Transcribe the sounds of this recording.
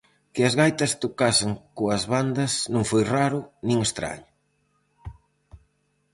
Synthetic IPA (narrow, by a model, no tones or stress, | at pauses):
kɪɐzɣajt̪ɐst̪okaseŋkoɐzβand̪ɐsnõŋfojraɾʊnĩŋest̪ɾa̰ɲʊ